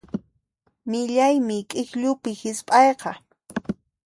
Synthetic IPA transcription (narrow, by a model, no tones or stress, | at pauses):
mɪʎajmɪkʼɪxʎʊpɪhɪspʼɑjqɑ